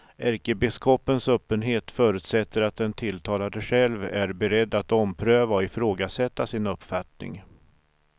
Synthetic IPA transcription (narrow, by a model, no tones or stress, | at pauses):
ʔæɾkəbɪskʰɔpːənsœːpːənɦeːt̪fœːɾʉt̪sɛt̪ːəɾat̪̚d̪ɛnt̪ʰɪlt̪ʰɑːlad̪əɧɛlvæɾbɛɾɛd̪ːat̪ɔmpʰɾøːvaɔɪfɾoːɡasɛt̪ːasɪnɵpːfat̪nɪ̰ŋ